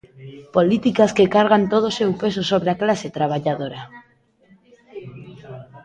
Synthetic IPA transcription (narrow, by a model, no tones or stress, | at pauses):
polit̪ikaskekaɾɣant̪oð̞osewpesosoβ̞ɾeaklaset̪ɾaβ̞aʎaðoɾa